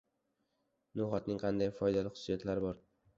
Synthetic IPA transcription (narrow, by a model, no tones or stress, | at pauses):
nʊχɒt̪nɪŋqʰɑnd̪ajfɒjd̪alɪχʊ̥sːijat̪laɾɪbɒɾ